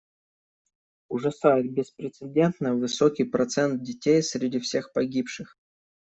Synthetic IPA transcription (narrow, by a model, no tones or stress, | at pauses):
ʊʐɐsajɪt̪̚bʲɪspɾʲɪt̪sɨdʲe̞nt̪nəvɨsokʲijpɾɐt̪sɛnt̪̚dʲɪtʲejsɾʲɪdʲifsʲe̞xpɐɡʲipʂɨx